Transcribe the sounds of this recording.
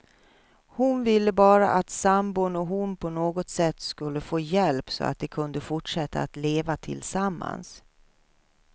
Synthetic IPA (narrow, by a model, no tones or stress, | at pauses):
hʊnvɪlːəbɑːɾa̰ʔat̪sambʊnɔɦʊnpʰɔnoːɡɔt̪sɛt̪ːskɵlːəfoːjɛlpsɔ̰a̰t̪̚d̪ɛkʰɵnd̪əfʊʈʂɛt̪ːa̰at̪leːvat̪ʰɪ̰lsamːa̰ns